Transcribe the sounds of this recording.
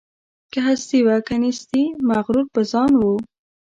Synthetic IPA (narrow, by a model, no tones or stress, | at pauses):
kaɦast̪iwakanist̪imaɣɾuɾpəzɑnwu